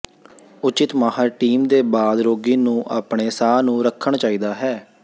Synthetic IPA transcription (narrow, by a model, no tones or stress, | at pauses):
ʊt͡ʃɪt̪maːɦəɾʈiːmd̪eːbaːd̪ɾoːɡiːnũːʔaːpɳeːsaːnũːɾəkʰːəɳt͡ʃaːiːd̪aːɦɛː